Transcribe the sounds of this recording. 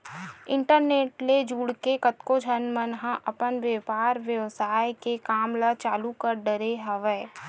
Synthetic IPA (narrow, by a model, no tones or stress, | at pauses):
ɪ̃ɳʈəɾneːʈled͡ʒuːɽkekət̪kod͡ʒʱənmənɦãʔəpənʋjeːpaːɾʋjəʋsaːjkekaːmlat͡ʃaːlukəɾɖəɾeɦɐʋəː